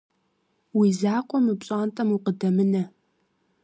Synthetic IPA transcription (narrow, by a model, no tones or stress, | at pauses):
wizaːqʷʼɔmɨpɕʼaːntʼɐmuqədɐmɨnɐ